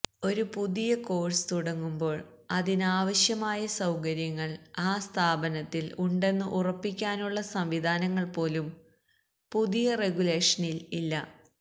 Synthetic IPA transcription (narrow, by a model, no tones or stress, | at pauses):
o̞ɾupuðijɐko̞ːɻsɨ̥t̪uɽɐŋːumbo̞ːɭ | ɐðinaːʋɐɕjɐmaːjɐsɐwkɐɾjɐŋːɐɭaːst̪ʰaːbɐnɐt̪ːiluɳɖe̞nːɨʔurɐpːikʲːaːnuɭːɐsɐmʋid̪ʱaːnɐŋːɐɭpo̞ːlum | puðijɐre̞ɡule̞ːʂɐnililːɐ